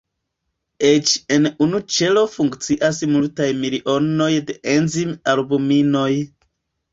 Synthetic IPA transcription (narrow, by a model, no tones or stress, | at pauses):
et͡ʃe̞nunut͡ʃe̞lo̞fuŋkt͡siʔas̬multajmiliʔo̞no̞jde̞ʔenzimalbumino̞j